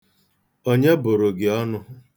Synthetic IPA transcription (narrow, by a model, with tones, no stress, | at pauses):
o˦ɲe˦bʊ˨ɾʊ˨ɡɪ˨ɔ˦nʊ˦